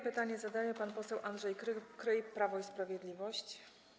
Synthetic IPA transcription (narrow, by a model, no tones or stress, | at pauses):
pɘt̪aɲɛzad̪ajɛpanpɔsɛwʔandʐɛjkkɾɘjpɾavɔispɾavʲjɛd̪lʲivɔɕt͡ɕ